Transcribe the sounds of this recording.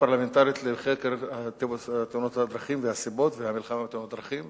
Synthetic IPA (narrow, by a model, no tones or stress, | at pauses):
paʁlament̪aɾjit̪leχekeɾhat̪t̪eunot̪had̪ɾaχimvehasibo̞t̪vehamilχamabt̪unot̪d̪ɾaχim